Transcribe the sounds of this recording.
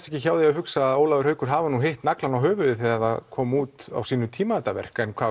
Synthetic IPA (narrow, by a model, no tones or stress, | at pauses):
t̪ɛhcɪçaːwðɪahʏksaðoːwlawʏɾhœːɥkʏɾ̥ɦaːvanuɦejht̪naklanawɦœːvʏðʏθɛːðaɾa̰ðkʰɔːmuːt̪a̰wsiːnʏt̪ʰiːmaɛt̪avɛ̰r̥kɛnkʰvaː